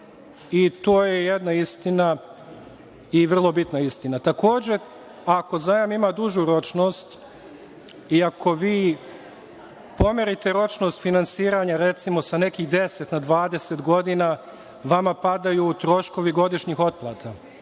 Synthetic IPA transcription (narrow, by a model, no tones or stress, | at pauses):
it̪oːje̞jed̪naist̪ina | iʋr̩lˠo̞bit̪naist̪inat̪ako̞ːd͡ʑe̞ | ako̞zajamimad̪uʒuɾo̞t͡ʃno̞ːst̪ | iako̞ʋiː | po̞meɾit̪e̞ɾo̞t͡ʃno̞st̪finansiːɾaɲaɾe̞t̪simo̞sane̞kiɣd̪e̞se̞t̪nad̪ʋaːd̪e̞se̞t̪ɡo̞d̪ina | ʋamapad̪ajut̪ɾo̞ʃko̞ʋiɡo̞d̪iʃɲixo̞t̪̚plˠat̪a